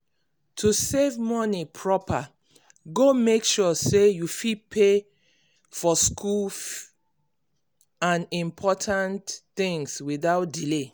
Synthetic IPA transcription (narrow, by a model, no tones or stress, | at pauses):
tʰusevmɔnipʰɹɔpa | ɡomekʃɔsejufid̚pʰe | fɔskʰul | ãnĩmpʰɔtʰãntθĩŋswiðaʊt̚dile